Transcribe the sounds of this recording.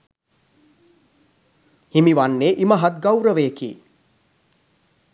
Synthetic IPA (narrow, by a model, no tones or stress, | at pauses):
himiʋanːeːʔiməɦat̪̚ɡawɾəʋeːkḭː